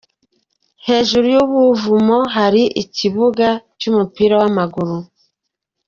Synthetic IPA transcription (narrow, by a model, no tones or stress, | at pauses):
he̞ːʒuɾujuβuvumoɦaɾiʔiciβuɡat͡ʃumupiɾawamaɡuɾu